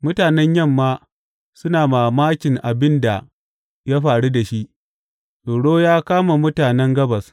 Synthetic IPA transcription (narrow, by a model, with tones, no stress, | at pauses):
mʊ˦taː˨nɛ˦ɲjɐ˦˨mːaː˦ | sʊ˦naː˨maː˨maː˦kʲɪ˨ŋʔa˨bɪ˦nda˨ | ja˦ɸaː˨ɽu˦da˨ʃi˦ʔ | soː˨ɽoː˦jaː˦kaː˦ma˨mʊ˦taː˨nɛ˦ŋɡɐ˦bɐ˨s